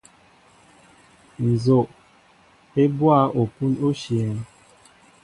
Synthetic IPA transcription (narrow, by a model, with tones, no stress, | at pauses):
n̩˨zo˨ʔ | e˦bwa˦˨ʔo˨pu˦no˦ʃi˨ɛ˨n